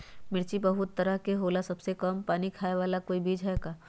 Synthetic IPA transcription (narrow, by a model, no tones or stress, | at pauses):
mɪɾt͡ʃibɐɦʊt̪ːɐɾəɦkeɦoːlasɐbsekəmpaːnikʰaːeʋaːlakoːibiːd͡ʒɦɛɡaː